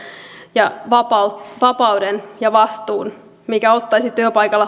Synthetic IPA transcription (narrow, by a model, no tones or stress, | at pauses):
jɑʋɑpɑut̪ʋɑpɑwdenjɑʋɑst̪uːn | mikæot̪ːɑjsit̪yøpɑjkɑlːɑ